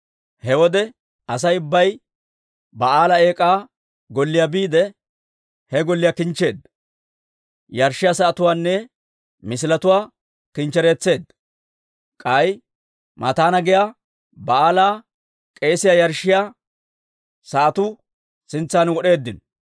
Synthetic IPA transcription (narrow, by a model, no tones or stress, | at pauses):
hɛwɔd̪ɛ | ɐs̬ɐjʊbːɐj | bɐaːlɐe̞ːkʼaː | ɡɔlːɪjabiːd̪ɛ | hɛɡɔlːɪjakɪnt͡ʃːe̞ːd̪ | jɐɾʃːɪjasɐɐt̪ʊwaːnːɛ | mɪs̬ɪlɐt̪ʊwaː | kɪnt͡ʃːɛɾeːt͡sːe̞ːd̪ | kʼɐj | mʔɐt̪aːnɐɡɛja | bɐaːlaː | kʼeːsɪjajɐɾʃːɪja | sɐʔɐt̪ʊ | sɪnt͡sːaːnwɔɗe̞ːd̪ːɪn